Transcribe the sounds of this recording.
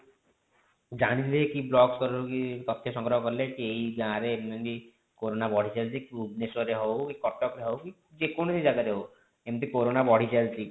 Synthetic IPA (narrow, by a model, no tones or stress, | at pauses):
d͡ʒañiɾekiblɔkskɔɾɾukit̪ɔt̪ʰːeʃɔŋkɾɔɦɔkɔɾlekiejbãɾeemd̪ɔni | koɾonabɔɽ̤ʱit͡ʃalt̪ʰikiubnesɔɾeɦɔwkikɔʈːɔkɾeɦɔwki | d͡ʒekonsed͡ʒaɡaɾeɦo | emt̪ikoɾonabɔɽ̤it͡ʃalt̪i